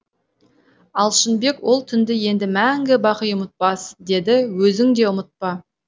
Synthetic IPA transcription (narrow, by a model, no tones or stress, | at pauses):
ɑlˠʃɪnbe̞kwo̞lˠt̪ʰʏnd̪ɪje̞nd̪ɪmæŋɡʲɪbɑqəjʊmət̪̚pɑsd̪e̞d̪ɪwɵzɪŋd̪e̞ʊmət̪̚pɑ